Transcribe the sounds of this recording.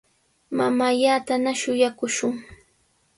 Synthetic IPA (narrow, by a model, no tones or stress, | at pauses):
mamaʎat̪anaʃʊjakʊʃʊŋ